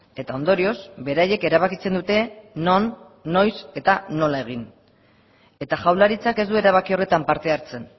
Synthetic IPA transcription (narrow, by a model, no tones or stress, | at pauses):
e̞t̪ao̞nd̪o̞ɾio̞sbe̞ɾaje̞ke̞ɾaβ̞akit͡se̞nd̪ut̪e̞nonː | o̞jse̞t̪ano̞lae̞ɣ̞in | e̞t̪aʝawlaɾit͡sake̞zd̪ue̞ɾaβ̞akio̞re̞t̪ampaɾt̪e̞aɾt͡se̞n